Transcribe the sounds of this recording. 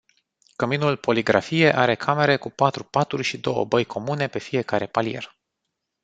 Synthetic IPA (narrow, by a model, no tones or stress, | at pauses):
kəminulpo̞liɡɾafije̞ʔaɾe̞kʰame̞ɾe̞kupat̪ɾupat̪urʲʃid̪o̞̰wə̰bəjkʰo̞mune̞pe̞fije̞kaɾe̞palje̞̰r